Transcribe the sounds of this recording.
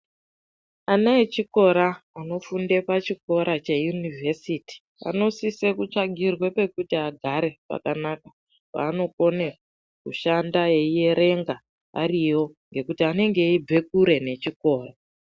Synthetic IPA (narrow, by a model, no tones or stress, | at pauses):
anaet͡ʃiko̞ɾaano̞funde̞pat͡ʃiko̞ɾat͡ʃe̞junivʱesiti̥ | a̰no̞sisekut͡ʃaɡʱirwe̞pe̞kutiaɡʱaɾe̞pa̰kanaka | pa̰ːno̞ko̞ne | kuʃandaje̞ije̞ɾe̞ŋɡa | a̰riwo̞ŋɡe̞kutiane̞ŋɡe̞ib͡ve̞k̚uɾe̞ne̞t͡ʃiko̞ːra